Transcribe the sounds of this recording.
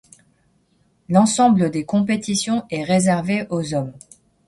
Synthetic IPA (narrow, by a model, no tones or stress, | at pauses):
lɑ̃sɑ̃bləd̪ekɔ̃p̬et̪isjɔ̃ʔɛʁezɛʁveʔozɔm